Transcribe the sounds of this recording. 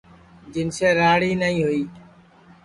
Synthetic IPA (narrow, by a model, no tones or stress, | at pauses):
d͡ʒɪnseːɾaːɽiːnəĩːɦʊiː